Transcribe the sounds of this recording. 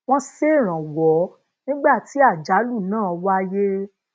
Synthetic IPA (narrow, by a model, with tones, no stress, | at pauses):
w̃ɔ̃˦se˦˨ɾ̃ã˨wɔ˨˦ | nĩ˦ɡ͡ba˦˨ti˨˦a˦˨d͡ʒa˨˦lu˦˨nãː˦˨ɔ˧wa˦je˦